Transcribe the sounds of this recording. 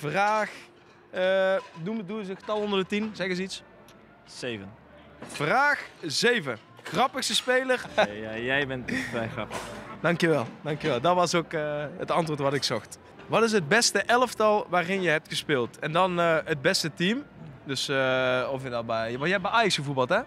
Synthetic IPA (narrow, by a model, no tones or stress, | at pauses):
vraːx | ənumduəzəɣətɑlˠɔndərdətimz̥ɛɣəzəits | zejvən | v̥raːxzejvə | xrɑpəxstəspejlərjɛjbɛnttʋɛjxrɑpəxd̥ɑŋkjəʋɛlˠdɑŋkjəʋɛlˠdɑtʋɑsokəətɑntʋoːɹtʋɑtɪksɔxt | ʋɑtɪs̬əd̚bɛstəʔɛləftɑlˠʋaːrɪnjəɦɛp̚txəspɪːlˠtɛndɑnɦəd̚bɛstətimdɵsɔfjədɔbɛjʋɑjəɦɛp̚bɛaːjɑksxəvubɑlˠtɦɛ